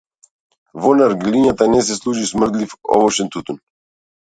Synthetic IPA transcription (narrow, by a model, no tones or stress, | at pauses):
vɔnaɾɡiliɲat̪anɛs̬ɛslˠuʒismr̩d̪lifɔ̰vɔʃɛnt̪ut̪un